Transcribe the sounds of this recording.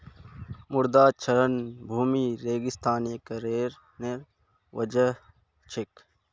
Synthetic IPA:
mʊɾd̪aːt͡ʃʰɐɾənbʱuːmiɾeːɡɪst̪ʰaːneːkɐɾeːɾ | neɾ | wɐd͡ʒə | t͡ʃʰɪk

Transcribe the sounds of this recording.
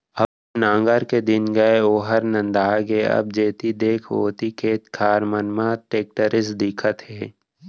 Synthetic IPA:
ɐb̚ | nãːŋɡəɾked̪ɪnɡəeoːɦəɾnɐ̃nd̪aːɡeɐ̰b̚d͡ʒeːt̪id̪eːkʰo̰ːt̪ikʰeːt̪kʰaːɾmənmãʈeːk̚ʈəɾɪsd̪ɪkʰət̪ɦeː

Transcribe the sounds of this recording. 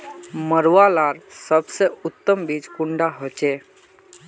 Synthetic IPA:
məɾʋalaɾsəbseut̪ːəmbid͡ʒkuɳɖaɦot͡ʃe

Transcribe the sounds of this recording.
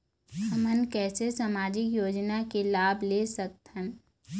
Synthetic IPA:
həmənkɛːsesaːmaːd͡ʒɪkjoːd͡ʒnakelaːblesɐk̚t̪ə̃n

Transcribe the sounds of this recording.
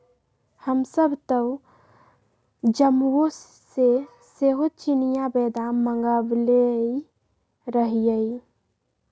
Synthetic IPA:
həmsəbʱt̪ə | d͡ʒəmwosː | e | seɦot͡ʃinijabɛd̪amə̃ŋɡablei | ɾəɦijəi

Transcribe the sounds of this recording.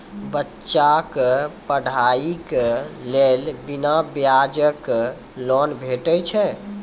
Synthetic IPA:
bətːt͡ʃakpəɽʱaiklelbinabjad͡ʒək | lɔnbʱeʈəjt͡ʃʰɛ

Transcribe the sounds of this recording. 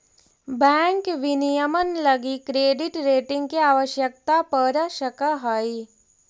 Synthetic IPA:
bɛ̃ːŋkʋɪnijəmənlɐɡikɾeːɖɪʈɾeːʈɪ̃ŋɡkiaːʋəʃjək̚t̪apəɾʃəkəɦaːi

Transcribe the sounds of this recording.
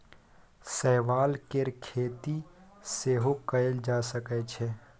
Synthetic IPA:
sɛɦʋaːlkeɾkʰeːt̪iseːɦokəeld͡ʒaːsəkɛt͡ʃʰɛ

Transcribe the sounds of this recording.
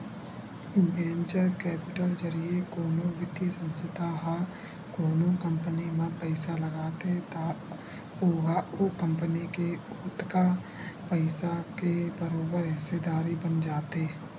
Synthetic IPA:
bẽːnt͡ʃəɾkɛːpɪʈəld͡ʒəɾiekoːnõʋɪd̪jəsə̃nsət̪aɦa | koːnõkə̃mpənimãpəɪsaləɡaːt̪et̪a | oɦaokə̃mpənike | ʊt̪ka | pəɪsakebəɾoːbəɾɦɪsed̪aːɾibənd͡ʒaːt̪eː

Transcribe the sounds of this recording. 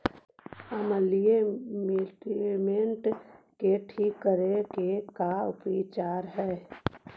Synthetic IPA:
əməliemeʈimeɳʈkeʈʰiːkːəɾekekaʊpit͡ʃaːɾɦɛː

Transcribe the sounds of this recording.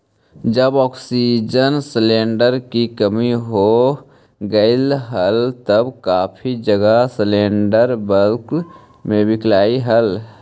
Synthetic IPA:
d͡ʒəbɔːksid͡ʒənsleːɳɖəɾkikəmiɦo | ɡəɪlɦəlt̪əbkaːpʰid͡ʒəɡaslẽːɳɖəɾbəlk | mẽbɪklaːiɦəl

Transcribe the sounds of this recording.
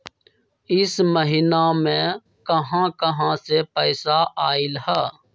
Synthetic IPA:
ɪsməɦɪnamẽ | kəɦãːkəɦãsepəɪsaʔaːɪlhɛː

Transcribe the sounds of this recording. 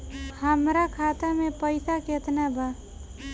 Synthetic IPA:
həmɾakʰat̪amepəɪsaket̪nabʱa

